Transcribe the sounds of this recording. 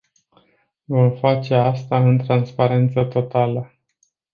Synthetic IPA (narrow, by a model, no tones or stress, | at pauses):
vomfat͡ʃe̞ast̪aɨnt̪ɾanspaɾe̞nt̪sət̪o̞t̪alə